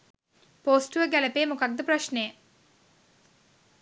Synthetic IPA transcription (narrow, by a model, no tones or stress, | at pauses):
poːsʈʋəɡæləpeːmukak̚d̪əpɾaʃnejə